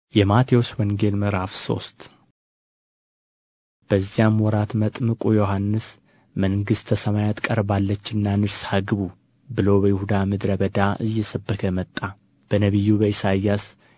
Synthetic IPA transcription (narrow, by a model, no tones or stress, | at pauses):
jɛmat̪ʰewoswɔŋɡe̞lmɨɾafso̞̰st̪ | b̥əzːijamwɔɾat̪mət̪ʼmɨkʼujo̞ɦanːɨs | məŋɡɨst̪ʰːəsəmajat̪kʼəɾbalːət͡ʃːɨnːanɨshaɡɨβu | bɨlowbəjɪhud̪amɨd̪ɾəβəd̪aʔɨjːɛsəbːəkʰəmət̪ʼːa | b̥ənəβijːubəisajas